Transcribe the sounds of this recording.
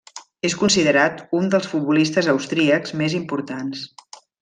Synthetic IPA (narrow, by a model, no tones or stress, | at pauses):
eskunsiðəɾat̪und̪əlˠsfut̪̚bulist̪əzəwst̪ɾiəkzmezimpuɾt̪ans